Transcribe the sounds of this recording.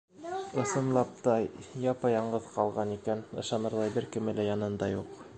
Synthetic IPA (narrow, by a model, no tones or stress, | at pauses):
ɤ̆sɤ̆nlˠɑp̚t̪ɑjɑpɤjɑɴɢɤðqɑlˠʁɑnikænɤ̆ʃɑnɤɾlˠɑjbɘɾkɘ̆mɘ̆læjɑnɤnd̪ɑjuq